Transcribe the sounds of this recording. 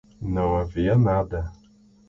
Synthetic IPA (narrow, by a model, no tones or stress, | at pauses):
nawavijanada